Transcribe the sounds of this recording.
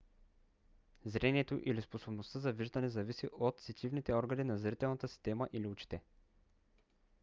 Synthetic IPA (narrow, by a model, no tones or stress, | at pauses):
zɾɛniɛt̪oʔilisposobnost̪əzɐviʒd̪ɐnɛzɐvisiʔot̪sit̪ʲivnit̪ɛɔɾɡɐninɐzɾit̪ɛlˠnɐt̪əsi̥st̪ɛmɐʔiliut͡ʃi̥t̪ɛ